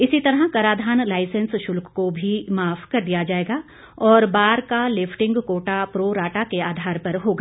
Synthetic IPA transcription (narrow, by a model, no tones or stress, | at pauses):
ɪsit̪ɐɾɦakɐɾaːd̪ʱaːnlaːɪsə̃nsʃʊlkkobʱimaːfʰkɐɾd̪ijad͡ʒaːeːɡaː | ɔːɾbaːɾkalɪfʰʈɪ̃ŋɡkoːʈapɾoːɾaːʈakeaːd̪ʱaːɾpɐɾɦoːɡaː